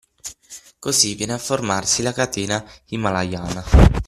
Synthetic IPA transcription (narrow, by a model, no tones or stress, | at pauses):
kozivːjɛːneafːormarsilakat̪eːnaimːalajaːna